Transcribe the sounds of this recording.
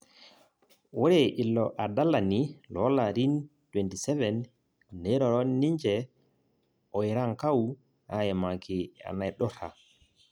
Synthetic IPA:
wɔɾɛʔilːɔʔadalanilɔlaɾintwɛntisɛvɛn | nɛɾɔɾɔniɲd͡ʒɛ | ʔɔjɾaŋkaw | hajɛmakʰia̰najɗɔta̰

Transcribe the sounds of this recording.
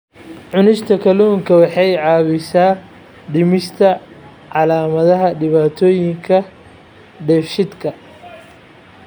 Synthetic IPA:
ʕʊnɪʃt̪ʰɐkʰɐluːŋkʰɐwɑħɑjʕɑːβɪsaː | ɖɪmɪst̪ʰɐ | ʕɑlaːmɐðɐɦɐɖɪβaːt̪ʰɔːjɪŋkʰɐ | ɖɛfʃɪd̪kʰɐ

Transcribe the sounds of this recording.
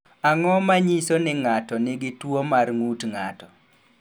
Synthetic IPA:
aŋɔmaɲisonɪŋatɔnɪɡɪtwomarŋutŋatɔ

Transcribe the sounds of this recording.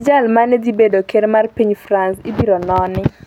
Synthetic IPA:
d͡ʒalmanedibedokeɾmarpiɲfɾansɪbiɾonɔnɪ

